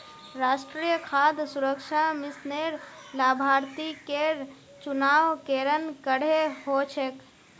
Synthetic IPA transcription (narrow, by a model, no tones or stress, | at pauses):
ɾaːʃʈɾijəkʰaːd̪suɾəkʃamɪsneɾlaːbʱaːɾt̪ikeɾ | t͡ʃʊnaːʋkeːɾənkəɽ̤eɦot͡ʃʰek